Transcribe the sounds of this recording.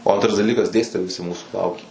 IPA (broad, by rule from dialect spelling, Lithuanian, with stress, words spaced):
oː ˈɐntrɐs dɐˈlʲiːkɐs ˈdʲeːsʲtʲɪtoːjɛɪ ʋʲɪˈsʲɪ ˈmuːsuː ˈlˠɐʊkʲeː